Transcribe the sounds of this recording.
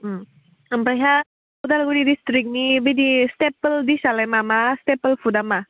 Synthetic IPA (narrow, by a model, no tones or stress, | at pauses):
əmpaɦa | pud̪alɡuɽidistɾik̚nibid̪istepəld̪isalajmamastepəlpʰud̪ama